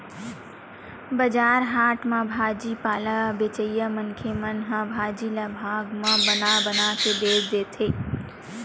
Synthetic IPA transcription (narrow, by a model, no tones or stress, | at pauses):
bəd͡ʒaːɾɦaːʈmãbʱaːd͡ʒipaːlabet͡ʃəjəmənkʰemənɦãbʱaːd͡ʒilabʱaːɡmãbənabənakeb̪eːd͡ʒd̪eːt̪ʰeː